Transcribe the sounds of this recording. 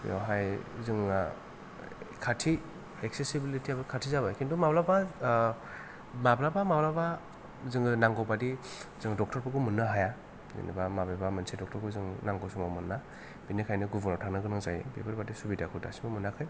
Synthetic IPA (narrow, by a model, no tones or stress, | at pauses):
jɔ̰ɦajzɯŋ | kʰatʰi | ek̚sesibilitʰiabɯkʰatʰizabakindɔmablaba | mablabamablaba | zɯŋɡɯnaŋɡɔbadizɯŋdɔk̚tʰɔɾpʰɯɡɯmɯnːaɦaja | zḭnḭbamababamɯnsidɔk̚tʰɔɾɡɯzɯŋnaŋɡɔsɔmawmɯnːa | b̥inikʰajnɯɡubɔnɔtʰaknɯɡɯnɯŋzajḛbebʰaɾbadisubidakʰuda̰simɯmɯnakʰɯj